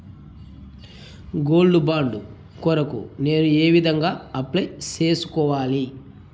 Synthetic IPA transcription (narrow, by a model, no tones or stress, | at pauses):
ɡo̞ːlɖubaːɳɖu | kɔɾɐkṵne̞ːnueːʋid̪ʱɐŋɡaːɐplɐjt͡ʃe̞ːsu̥kɔːʋaːli